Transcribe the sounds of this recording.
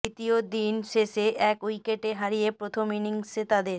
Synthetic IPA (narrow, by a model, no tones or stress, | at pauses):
it̪iod̪inʃeʃeʔɛkujkeʈeɦaɾijepɾot̪ʰominiŋset̪ad̪eɾ